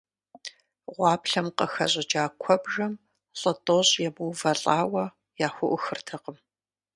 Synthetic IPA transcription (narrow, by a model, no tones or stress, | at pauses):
ʁʷɑːpɬɐmqəxɐ̰ɕʼɪd͡ʒaːkʷʰɔbʒɐm | ɬʼɐtʼoːɕʼjɛmuwvɐɬʼaːwɐ | jaːxʷʊʔʊxɨrtʰɐqəm